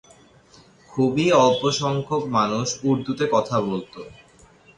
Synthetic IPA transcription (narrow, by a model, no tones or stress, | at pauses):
kʰubiɔpoʃɔŋkʰokmanuʃuɾd̪ut̪ekɔt̪ʰabolt̪o